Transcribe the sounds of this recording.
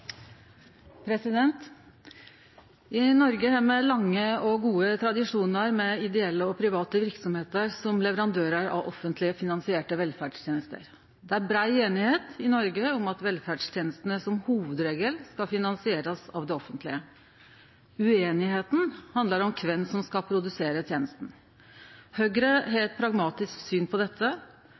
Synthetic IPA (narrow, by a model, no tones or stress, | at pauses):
pʰɾɛsɪd̪ɛnt̪ | ɪnɔɾɡəhæmɛlɑŋːəɔɡuːət̪ʰɾɑd̪ɪʂuːnəɾmɛɪd̪ɛɛlːəɔpʰɾɪʋɑːt̪əʋɪɾksɔmheːt̪əɾsɔmlɛʋəɾɑnd̪øːɾəɾɑ̰ʔɔfːənt̪lɪəfɪnɑnsɪeːʈəʋɛlfæɖʂt̪jeːnəst̪ə̰ɾ | d̪ɛæɾbɾɑɪeːnɪheːt̪ɪnɔɾɡəɔmɑt̪ʋɛlfæɖʂt̪ʰjeːnəst̪ənəsɔmhuːʋəd̪ɾeːɡəlskɑfɪnɑnsɪeːɾəsɑ̰ʋd̪ɛɔfːənt̪lɪə | ʉeːnɪheːt̪n̩hɑnd̪əɾɔmkʰʋɛnːsɔmskɑpʰɾʊd̪ʉseːɾət̪ʰjeːnəst̪n̩ | høːɡɾəɦɛːt̪̚pʰɾɑɡmɑːt̪ɪsksyːnpʰɔd̪ɛt̪ʰːə